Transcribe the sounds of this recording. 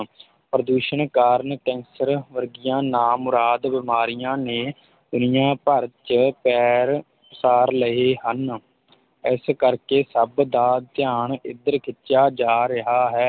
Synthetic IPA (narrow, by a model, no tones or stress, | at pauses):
pɾəd̪uːʃənkaːɾnʈɛ̃ːnsəɾʋəɾɡɪjãːnaːmʊɾaːd̪ʋɪmaːɾɪjãːneː | d̪ʊnɪjãːpəɾt͡ʃəpɛːɾ | saːɾləɦeːɦən | ɪskəɾkeːsəbd̪aːt̪ɪjaːɳɪd̪əɾkʰɪtːʃaːd͡ʒaːɾɪɦaːɦɛː